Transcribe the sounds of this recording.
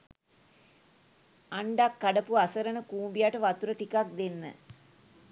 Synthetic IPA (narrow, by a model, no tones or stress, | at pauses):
aɳɖakːaɖəpuasəɾənəkuːmbijaʈəʋat̪uɾəʈikak̚d̪enːə̰